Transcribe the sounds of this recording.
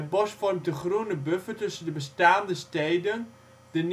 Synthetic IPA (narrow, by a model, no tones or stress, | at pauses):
əbɔsfɔrmtəχrunəbøfətɵsəndəbəstaːndəstejdən | dən